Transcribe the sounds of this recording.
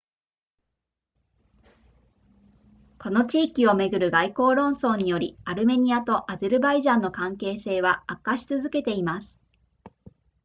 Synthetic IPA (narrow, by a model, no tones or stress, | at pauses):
ko̞no̞t͡ɕiːkʲio̞me̞ɡɯ̟ɾɯ̟ɡaiko̞ːɾõ̞ɰ̃so̞ːɲ̟ijo̞ɾʲiaɾɯ̟me̞ɲ̟iat̪o̞ʔazeɾɯ̟baiʑãnːo̞kãŋke̞ːse̞ːβ̞aakːaɕi̥t͡sɨzɨke̞t̪e̞imasɨ̥